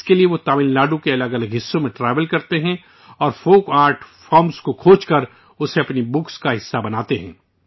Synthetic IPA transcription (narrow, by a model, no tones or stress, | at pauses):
ɪskelieʋot̪aːmɪnlaːɖũkeɐləɡɐləɡɦɪsːõmẽʈɾeːʋəlkɐɾt̪eɦɛ̃ | ɔːɾfoːkaːɾʈʰfɔːɾmskokʰoːt͡ʃkɐɾ | ʊseɐpnibʊkskaɦɪsːabɐnaːt̪eɦɛ̰̃ː